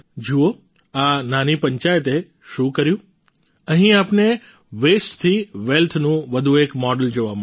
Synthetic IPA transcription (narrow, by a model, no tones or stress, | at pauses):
d͡ʒuo | ananipəɲt͡ʃajət̪e | ʃũkəɾjũ | əɦĩapne | ʋesʈt̪ʰiʋelt̪ʰnũʋəd̪ʱũekmɔɖəld͡ʒoʋam